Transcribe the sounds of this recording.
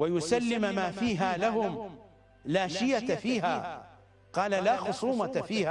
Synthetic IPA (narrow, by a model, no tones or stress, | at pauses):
wajʊsalːɪmmaːfiːɦaːlaɦʊm | laːʃɪjafiːɦaː | qɑːlalaːxʊsˤuːmafiːhaː